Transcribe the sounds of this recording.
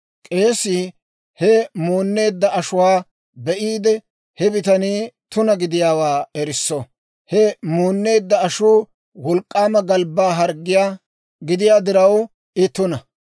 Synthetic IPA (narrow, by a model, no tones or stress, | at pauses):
kʼe̞ːsːi | hɛmuːnːe̞ːd̪ːɐʔɐʃʊwaː | bɛʔiːd̪ɛ | hɛbɪt̪ɐniːt̪ʊnɐɡɪd̪ɪjaːwaːɛɾɪsːɔ | hɛmuːnːe̞ːd̪ːɐɐʃuː | wɔlkʼːaːmɐɡɐlbːaːɦɐɾɡːɪjaː | ɡɪd̪ɪjaːd̪ɪɾɐw | ɪt̪ːʊnɐ